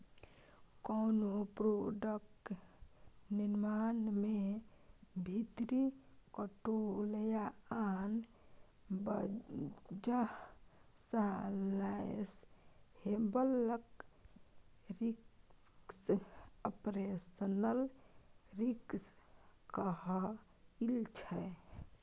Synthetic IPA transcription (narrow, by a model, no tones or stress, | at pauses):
konopɾoɖək̚ʈ | niɾmanme | bʱit̪ɾikəʈoləjaan | b | d͡ʒa | sallashebələk | ɾik | səpɾesənəl | ɾikskəɦ | ilt͡ʃʰɛ